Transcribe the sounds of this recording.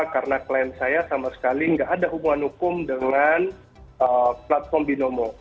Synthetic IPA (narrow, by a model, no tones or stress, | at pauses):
kaɾənaklajɛnsajasamasə̥kaliəŋɡaʔːdaɦubuŋanhukʊmdəŋan | ʔəplat̪̚fɔrmbinomɔ